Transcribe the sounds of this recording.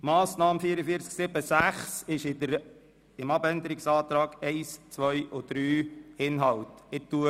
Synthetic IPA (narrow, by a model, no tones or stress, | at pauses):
mɑːsnɑːmfiəɾəfiəɾt͡sksɪb̥əsæχsɪʃɪdəɾ | ɪmɑbɛnd̪əɾɪksɑːt̪ɾɑːɡ̥ɛɪst͡sʋœʏʔod̪̥ɾyːɪnɦɑltɪt̪ːuə